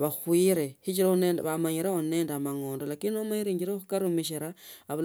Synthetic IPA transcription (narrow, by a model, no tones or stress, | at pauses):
βaxwiɾehit͡ʃiɾonendβamaɲiɾeoneːndamaŋoːndolakininomaɲiɾeɲd͡ʒiɾexukaɾumiʃ̬iɾaːβl